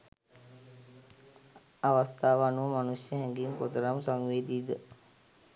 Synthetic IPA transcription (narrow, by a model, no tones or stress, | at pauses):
aʋast̪aːʋanuʋəmanusjəɦɛŋɡiŋkot̪əɾamsaŋʋeːd̪iːd̪ə